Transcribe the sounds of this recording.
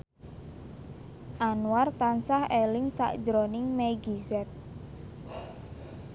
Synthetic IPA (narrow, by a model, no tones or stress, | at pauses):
ʔanuart̪ansahelɪŋsa̰ʔd̥d͡ʒɾonɪŋmeɡizɛt̪̚